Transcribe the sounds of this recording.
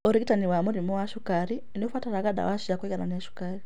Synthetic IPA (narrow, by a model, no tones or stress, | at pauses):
ɔɾiɡitaniwamɔɾimɔwaʃukaɾi | niɔfwataɾaɡaɗa̰waʃiakwɛɡananiaʃu̥kaɾi